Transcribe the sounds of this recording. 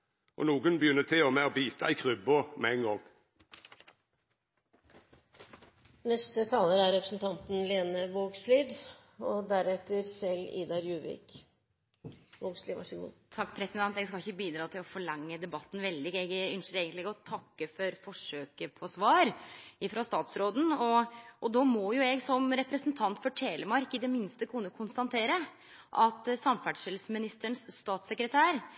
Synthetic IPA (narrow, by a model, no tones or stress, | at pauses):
ʔɔ̰nuːɡənbəjʏnːət̪ʰɪɔmeɔbiːt̪ʰɑɪkʰʁʉbɔmɛɛŋɡɔŋ | nɛst̪ət̪ʰɑːləɾæɾɾɛpɾəsn̩t̪ʰɑnt̪nleːnəʋoːɡsliːd̪ | ɔd̪æɾɛt̪ːəɾsɛlḭːd̪ɑɾjʉːʋɪ̰ːk | ʋoːɡslid̪ʋɑ̰ʂəɡṵːt̪ʰɑkːpʰɾɛsɪd̪ɛnt̪ɛɡskɑɪçːəbiːd̪ɾɑːt̪ʰɪlɔfɔɭɑŋːəd̪ɛbɑt̪ːn̩ʋɛld̪ɪɡɛɡʏnʂəɾeːɡənt̪lɪɡɔt̪ʰɑkːəfɔɾfɔʂøːkəpʰɔsʋɑːɾɪfɾɑst̪ɑːt̪sɾoːd̪n̩ɔʔɔd̪ɔmɔjʊɛɡsɔmɾɛpɾəsənt̪ʰɑnt̪fɔʈʰeːləmɑɾkɪd̪ɛmɪnst̪əkʰʉnːəkʰʊnst̪ɑnt̪ʰeːɾə | ʔɑt̪sɑmfæɖʂɪlsmɪnɪst̪əɳsːt̪ɑːt̪səkɾət̪ʰæːɾ